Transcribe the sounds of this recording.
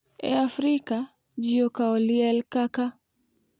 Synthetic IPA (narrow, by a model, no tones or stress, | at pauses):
ɛ̰afɾika | d͡ʒiɔkaɔliɛlkaka